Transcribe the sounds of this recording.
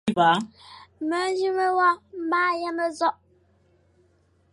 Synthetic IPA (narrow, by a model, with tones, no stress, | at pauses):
ba˨˦mə˨˦d͡ʒi˦mə˦wɔ˦m̩˦ba˦ja˦mə˦zɔ˦ʔ